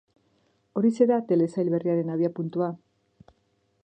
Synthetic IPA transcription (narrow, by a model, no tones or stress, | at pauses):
o̞ɾise̞ɾat̪e̞le̞sajlβe̞riaɾe̞naβ̞iapunt̪ua